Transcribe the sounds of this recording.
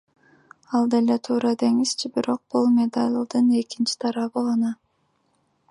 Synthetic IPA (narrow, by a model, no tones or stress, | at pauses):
ɑlˠd̪e̞le̞t̪ʰuːɾɑd̪e̞ŋist͡ʃʰibiɾo̞q̚b̥ulˠmʲe̞d̪alʲd̪ɯne̞kint͡ʃi̥t̪ʰɑɾɑβɯʁɑnɑ